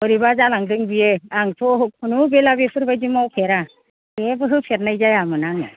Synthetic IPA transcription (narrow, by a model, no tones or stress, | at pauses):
hɔɾibazalaŋdɯŋbijeaŋtʰɔɦɯk̚pʰunubelabepʰɯɾbajdimawpʰeɾa | ebɯɦɯpʰeɾ̚najzajamɯnaŋɯ